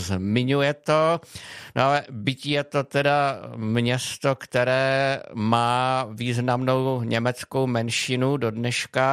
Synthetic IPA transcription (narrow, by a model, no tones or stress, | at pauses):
zmɪɲujɛt̪o̞noʔalɛbɪcɪjɛt̪o̞t̪ɛdamɲɛst̪o̞kt̪ɛɾɛːmaːviːznamno̞wɲɛmɛt͡sko̞wmɛnʃɪnudo̞dnɛʃka